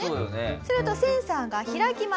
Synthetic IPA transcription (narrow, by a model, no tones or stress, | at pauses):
esnesoɾɯ̟t̪o̞sẽ̞ɰ̃sãːŋɡaçiɾakʲima